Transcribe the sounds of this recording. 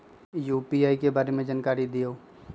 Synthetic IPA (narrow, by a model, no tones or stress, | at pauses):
juːpiaːikebaːɾemẽd͡ʒaːnkaːɾid̪ijoː